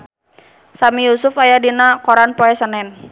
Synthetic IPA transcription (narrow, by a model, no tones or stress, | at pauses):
samijusʊfajadinakoɾanpoɛsənɛn